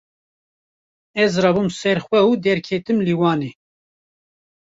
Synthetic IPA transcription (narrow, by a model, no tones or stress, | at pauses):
ɛzɾɑbumsɛɾxwɛud̪ɛɾkʰet̪ɨmliwɑːneː